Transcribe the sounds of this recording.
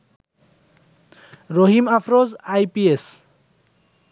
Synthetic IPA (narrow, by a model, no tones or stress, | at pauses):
ɾoɦimapʰɾozajpies